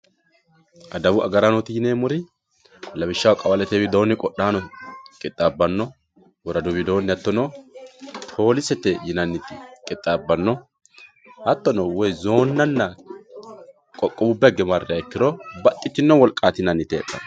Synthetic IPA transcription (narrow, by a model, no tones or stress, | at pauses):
ʔɐd̪ɐbʊɐ̰ɡɐɾanɔt̪ɪjɪneːmʊɾɪ | lɐbɪʃːɐwkʼɐwɐlɛt̪ewɪd̪o̞ːnːɪkʼɔɗaːnɔkʼɪt̪ʼːabɐnːɔ | wɔɾɐd̪ʊbɪd̪o̞ːnːɪɐt̪ːɔnɔ | t̪ʰo̞ːlɪsɛt̪ːɛjɪnɐnːɪt̪ɪkʼɪt̪ʼːaːbːɐnːɔ | ɐt̪ːɔnɔwɔjzo̞ːnːɐnːɐ | kʼɔkʼːɔbʊbːɛɡɛmɐɾɪɐɛkːɪɾɔbɐt̪ʼːɪt͡ʃ̪ːɪnːɔwɔlkʼaːt̪ɪnɐnːɪt̪ːɪɛ̰kʼːɐ̰n